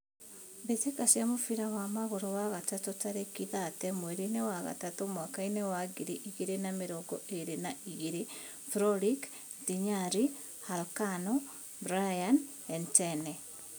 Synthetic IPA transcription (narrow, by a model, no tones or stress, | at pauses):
βetekasjamofiɾawamaɣoɾowaɣatatotaɾekiðatɛmweɾinewaɣa̰tatomwakainewaɡiɾiʔiɣiɾenameɾoɡɔʔeɾenaiɣiɾe | fɾɔlik | diɲaɾi | halkanɔ | bɾajan | ɛntɛnɛ